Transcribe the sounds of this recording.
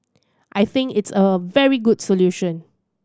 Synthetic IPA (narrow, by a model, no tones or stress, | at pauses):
ʔajθɪ̃ŋkɪtsəvɛɹiɡudsoljuʃə̃n